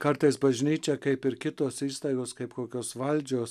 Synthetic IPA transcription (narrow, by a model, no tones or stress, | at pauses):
kɐɾt̪ɐɪsbɐʒʲnʲiːt͡ʃʲɛkɐɪpɪɾkʲɪt̪oːsiːst̪ɐɪɡoːskɐɪpkoːkʲoːsʋɐlʲd͡ʒʲoːs